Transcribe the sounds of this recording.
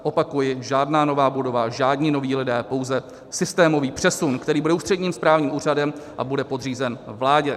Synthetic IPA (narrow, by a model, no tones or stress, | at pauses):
ʔo̞pakujɪʒaːdnaːno̞vaːbudo̞vaʒaːdɲɪno̞viːlɪdɛːpo̞wzɛ | sɪst̪ɛːmo̞viːpr̝̥ɛsunkt̪ɛɾiːbudɛuːst̪r̥ɛdɲiːmspɾaːvɲiːmuːr̝adɛmʔa̰budɛpo̞d̪r̝iːzɛnvlaːɟɛ